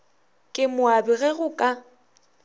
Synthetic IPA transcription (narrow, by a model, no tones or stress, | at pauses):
kʼɪmʊabɪɣɛɣʊkʼa